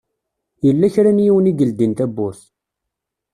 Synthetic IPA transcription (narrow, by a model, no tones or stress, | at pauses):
jəlːæçɾænjiwəniɡəld̪int̪æbːʊɾθ